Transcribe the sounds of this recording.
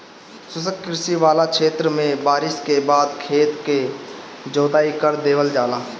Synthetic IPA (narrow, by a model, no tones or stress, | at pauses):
sʊsəkkɪɾsiʋaːlakʃʰeːt̪ɾəmẽbaːɾɪskebaːd̪kʰeːt̪ke | d͡ʒoːd̪aːikəɾd̪eːʋəld͡ʒaːlaː